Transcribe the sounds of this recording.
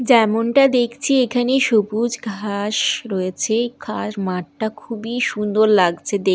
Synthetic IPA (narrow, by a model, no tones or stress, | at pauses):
d͡ʑɛmonʈad̪ekʰt͡ɕʰiekʰaneʃobud͡ʑɡʱaʃɾoet͡ɕʰekʰaɾmaʈʈakʰubiʃund̪oɾlaɡt͡ɕʰed̪e